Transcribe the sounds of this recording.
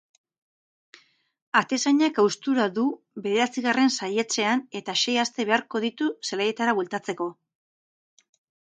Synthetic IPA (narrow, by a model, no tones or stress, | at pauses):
at̪e̞saɲakawst̪uɾaðu | βe̞ðe̞ɾat͡siɣare̞nsajet͡se̞ane̞t̪aʃe̞jast̪e̞βe̞aɾko̞ðit̪uselaje̞t̪aɾaβuelt̪at͡se̞ko̞